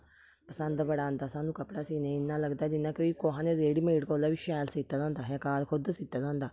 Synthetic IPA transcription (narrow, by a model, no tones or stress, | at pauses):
pəsənd̪bəɽãːnd̪aːsaːnũːkəpɽaːsiːnẽɪnːãːləɡd̪aːd͡ʒɪnːãːkoːiːkoːɦãːneːzeːɽiːmeːɽkoːlaːʋiːʃɛːlsiːt̪ːaːzãːnd̪aːɦɛːkaːlkʰʊd̪siːt̪ːaːzãːnd̪aː